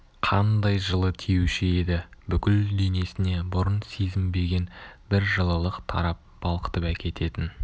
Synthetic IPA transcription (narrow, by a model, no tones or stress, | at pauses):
qʰɑnd̪ɑjʒəlˠət̪ʰijuwʃɪe̞d̪ɪbʏkʲɪlːene̞sɪne̞bʊɾənsezɪmbe̞ɡʲe̞nbɪɾʒəlˠəlˠəqt̪ʰɑ̰ɾɑp̚b̥ɑlˠqə̥t̪əpækʲʰe̞t̪e̞t̪ɪn